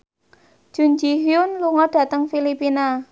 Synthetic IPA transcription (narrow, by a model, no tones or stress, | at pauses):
ʒ̥ṳnd͡ʒiɦjʊnluŋɔɖ̥ä̤t̪əŋfilipina